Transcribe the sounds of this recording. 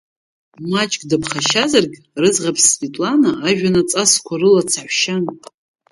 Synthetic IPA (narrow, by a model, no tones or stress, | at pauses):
mat͡ʃʼkʼdapχaʃazarɡʲ | rɨzʁapʰsvetʼlanaːʒᶣanat͡sʼaskʷʰaɾɨlat͡sʰaħʷʃan